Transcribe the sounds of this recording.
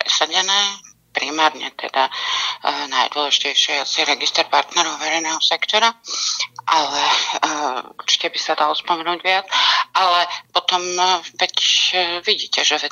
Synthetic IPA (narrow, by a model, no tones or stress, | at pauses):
pɾɛ̰saɟɛnɛː | pɾimaːɾɲɛ̰t̪ɛ̰d̪a | najd̪ʊɔlɛʒicɛjʃɪɛasiɛɾɛɡist̪ɛɾpaɾt̪nɛɾɔʊʋɛɾɛjnɛːɦɔsɛkt̪ɔɾa | ʔalɛ | ṵɾt͡ʃi̥cɛbisad̪alɔspɔmɛnuːɟʋɪat͡salɛpɔt̪ɔmpɛcʋiɟiːcɛʒɛɛ